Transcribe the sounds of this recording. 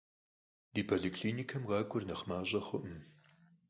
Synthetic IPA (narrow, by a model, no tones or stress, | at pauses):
d̥iːpʰoɮikʰɬiːnikʰɐmʁɑːkʷʼʊrnɐχmaːɕʼɐxʷʊ̰ʔm